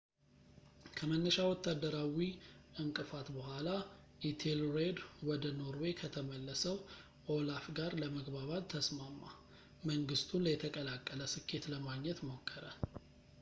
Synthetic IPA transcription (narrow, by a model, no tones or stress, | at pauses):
kʰəmənːəʃawɔt̪ʰːad̪ːəɾawiʔɨŋkʼɨfat̪bəhʷala | ʔit̪ʰelɾed̪wɔd̪əno̞ɾwekʰət̪ʰəməlːəsəw | ʔolafɡaɾləməɡbaβat̪t̪ʰːəsmamːa | məŋɡɨst̪ʰunləjɛt̪ʰəkʼəlakʼːələsɨkʰːe̞t̪ləmaɡɲɛt̪mo̞kʰːəɾə